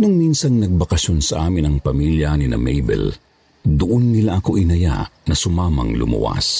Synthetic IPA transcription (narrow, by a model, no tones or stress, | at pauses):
nʊŋminsɐnnɐɡ̚bɐkɐʃonsɐʔaːmɪnɐŋpɐmiljɐninɐ̰mɛjbɛ̰l | d̪ʊʔonːɪlaʔɐko̞ʔɪnɐja̰nɐsʊmaːmɐ̰ŋlʊ̰mṵʔa̰s